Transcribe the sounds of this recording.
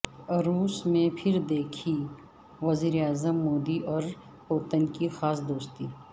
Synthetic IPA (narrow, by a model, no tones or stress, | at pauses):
ɾuːsmẽpʰɪɾd̪eːkʰi | ʋɐziːɾeaːzəmːoːd̪iʔɔːɾ | poːt̪ənkixaːsd̪oːst̪iː